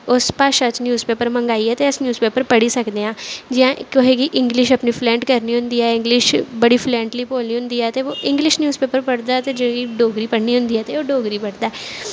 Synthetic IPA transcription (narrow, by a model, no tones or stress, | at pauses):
ʊspaːʃət͡ʃnjuːzpeːpəɾmə̃ŋɡaːiɛt̪eɪsnjuːzpeːpəɾpəɽisəkd̪eãːd͡ʒɪãʔkoɦeɡiʔɪ̃ŋɡlɪʃɐpnipʰlɛ̃ːɳʈkəɾniɦʊ̃nd̪iːɛɪ̃ŋɡlɪʃbəɽipʰlɛ̃ːɳʈliːpoːlijʊ̃md̪iɛːt̪eʋoːʔɪ̃ŋɡlɪʃnjuːzpeːpəɾpəɽd̪at̪ed͡ʒ̃ɡiɖoːɡɾipəɽniɦʊ̃nd̪iːɦɛt̪eoːɖoːɡɾipɐɽd̪aɦɛ